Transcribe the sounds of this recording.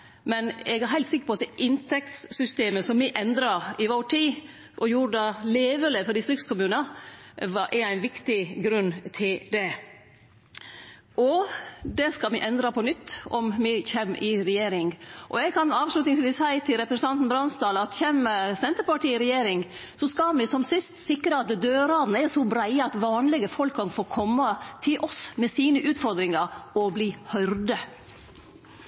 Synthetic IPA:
mɛnɛɡæɾɦæɪlt̪sɪkə̥pʰɔɑt̪̚d̪ɛʔɪnt̪ʰɛkt̪ssʏst̪eːməsɔmmɪʔɛnd̪ɾɑɪʋoːʈʰiː | ʔɔjuːɾəd̪ɑleːʋələfɔd̪ɪst̪ɾɪkskʰʊmʉːnəʋɑʔæɾæɪnʋɪkt̪ɪɡɾʉnːt̪ʰɪld̪ɛ | ʔɔd̪ɛskɑlmɪʔɛnd̪ɾɑpʰɔnʏt̪ːɔmmɪçɛmːɪɾɛjeːɾɪŋʔɔ̰ɛɡkʰɑnɑːʋʂlʉːt̪nɪŋsʋiːsæɪt̪ʰɪlɾɛpɾɛsɑnt̪n̩bɾɑnsd̪ɑːlɑt̪çɛːmːəsɛnt̪əɾpɑʈiːɪɾɛjeːɾɪŋ | sɔskɑlmɪsɔmsɪst̪sɪkɾəɑt̪̚d̪ɛd̪øːɾɑd̪nəɛɾsɔbɾæɪəɑt̪ʋɑːnlɪɡəfɔlkʰːɑnfoːɾkʰɔmːɑt̪ʰɪlʔɔsmɛsiːnəʔʉːt̪fɔɾd̪ɾɪŋɑɾɔbliːhœɾd̪ə

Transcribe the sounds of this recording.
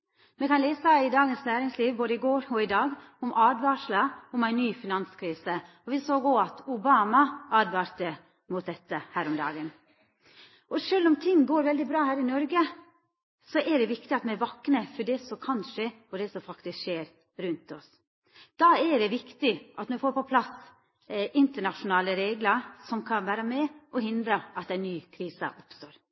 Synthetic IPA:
mɛkʰɑnleːsɑɪd̪ɑːɡənsnæːɾɪŋsliːʋboːd̪əɪɡoːɾɔɪd̪ɑːɡ | ʊmʔɑːd̪ʋɑːʂlɑʊmæɪnːyːfɪnɑnskʰɾiːsə | ɔʋɪsoːɡɔɑt̪ʊbɑːmɑʔɑːd̪ʋɑːɾt̪ə | mʊt̪̚d̪ɛt̪ːəhæːɾɔmd̪ɑ̰ːɡən | ɔʂøːlːɔmt̪ʰɪŋːɡoːɾʋɛld̪ɪbɾɑːhæːɾɪnɔɾɡə | sɔʔɛɖɛʋɪkt̪ɪɑt̪mɛʋɑkːnəfɔɖɛsɔkʰɑnʂeː | ɔɖ̪ɛsɔfɑkt̪ɪskʂeːɾ | ɾʉnt̪ɔs | d̪̥ɑːɛɖɛʋɪkt̪ɪʔɑt̪nɔʋɪfoːɾpɔpʰlɑs | ʔɪnt̪əɳɑʃʊnɑːləɾeːɡləɾsɔmkʰɑnʋæːɾəmɛɔhɪnd̪ɾəʔɑt̪æɪnːyːkʰɾiːsə̰ʔʊpst̪oːɾ

